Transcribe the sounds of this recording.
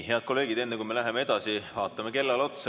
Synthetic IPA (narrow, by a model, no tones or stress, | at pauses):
ɦe̞ɑd̪̥̚ko̞lːe̞ːɡ̥id̪e̞nːekujme̞læɦemee̞d̪̥ɑsivɑːt̪ːˑɑmeke̞lːɑlo̞t̪s